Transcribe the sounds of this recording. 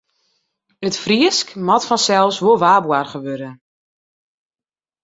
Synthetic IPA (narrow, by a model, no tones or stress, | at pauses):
ətfriəskmɔtfɔnsɛlˠsʋoʋaːbwarχəʋøɾə